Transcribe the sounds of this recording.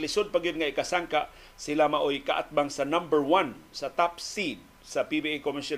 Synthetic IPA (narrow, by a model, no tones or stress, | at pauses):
lɪsʊd̪̚paɡɪd̪̚ŋaikasaŋkaʔ | silamaʔojkaʔa̰t̪̚baŋsanambəɹwansat̪apsid̪̚ | sapibiekomɪsa